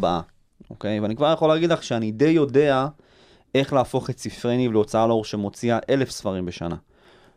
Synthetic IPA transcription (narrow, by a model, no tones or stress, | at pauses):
ba̰a | o̞̰ke̞jveanikvaʁjaχo̞leːɡidlaχʃeanide̞jo̞de̞a | e̞χlaːfo̞χett͡sifʁenivleot͡saalo̞ʁʃemo̞t͡siaʔe̞le̞fsfaʁimbe̞ʃa̰na̰